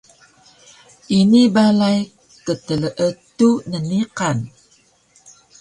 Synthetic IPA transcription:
ʔinibalaj | kət̪ələʔət̪unəniqan

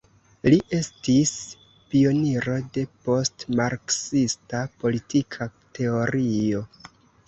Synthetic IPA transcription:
liʔe̞stis | pio̞niɾo̞de̞po̞stmaɾksistapo̞litikʰate̞o̞ɾio̞

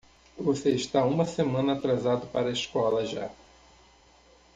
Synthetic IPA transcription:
voseiʃt̪aũmɐsemɐ̃nɐːt̪ɾazad̪ʊpaɾɐeskɔlɐʒa̰

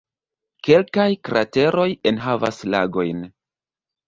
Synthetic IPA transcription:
ke̞lkajkɾʔate̞ɾo̞jenɦava̰sla̰ɡo̞jn

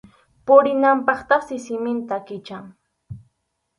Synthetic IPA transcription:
pʊɾɪnampɑχt̪aχsɪsɪmɪnt̪akɪt͡ʃaŋ

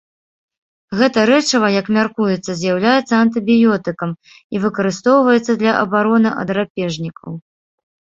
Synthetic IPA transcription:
ɣɛt̪ɐɾɛt͡ʂɐvɐjɐkmʲarkujɛt̪sːɐzʲjawlʲajɛt̪sːɐɐnt̪ɨbʲijɔt̪ɨkɐm | ivɨkɐɾɨst̪ɔwvɐjɛt̪sːɐd̪lʲɐʔɐ̰baɾɔnɨʔɐ̰d̪ɾapʲɛʐnʲikɐ̰w

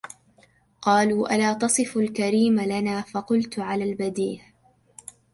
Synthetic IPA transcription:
qɑːluːʔalaːt̪ɑsˤɨfalkaɾiːmalanaːfɑqʊlt̪ʕalaːlbad̪iːh

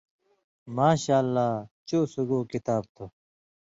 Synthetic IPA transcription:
maːɕaːlːaːt͡ɕoːsuɡoːkit̪aːb̚t̪ʰo

